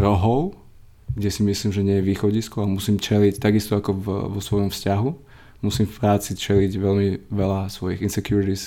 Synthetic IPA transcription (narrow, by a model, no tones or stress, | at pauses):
ɾɔɦɔʊ | ɡɟɛsimisliːmʒɛɲɪɛjɛʋiːxɔɟiskɔamusiːmt͡ʃɛlict̪aɡist̪ɔakɔvʋɔsʋɔjɔmfscaɦu | musiːmfpɾaːt͡sit͡ʃɛliɟʋɛlmiʋɛlasʋɔjiɣinsɛkjuɾit̪is